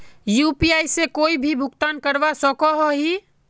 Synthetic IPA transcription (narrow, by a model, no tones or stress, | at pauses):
juːpiaːisekoːibʱibʱʊkt̪aːnkəɾbasɔkɔɦoɦi